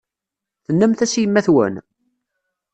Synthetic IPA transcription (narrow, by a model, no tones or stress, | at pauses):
θənːəmθæsjəmːæθwə̰n